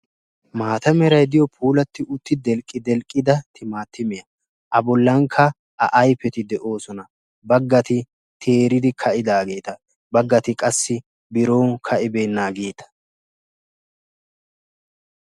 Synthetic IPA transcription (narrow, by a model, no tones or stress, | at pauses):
maːt̪ɐmɛɾɐjd̪ɪjɔpʰuːlɐt̪ːɪʔʊt̪ːɪd̪ɛlkʼːɪd̪ɛlkʼːɪd̪ɐt̪ʰɪmaːt̪ʰːɪmɪjɐ | ʔɐbɔlːɐŋkʰːɐ | ʔɐʔɐjpːɛt̪ɪd̪ɛʔo̞ːsɔnɐ | bɐɡːɐt̪ɪ | t̪ʰeːɾɪd̪ɪkʰɐʔɪd̪aːɡe̞ːt̪ɐ | bɐɡːɐt̪ɪkʼɐsːɪ | bɪɾo̞ːkʰɐʔɪbe̞ːnːaːɡe̞ːt̪ɐ̥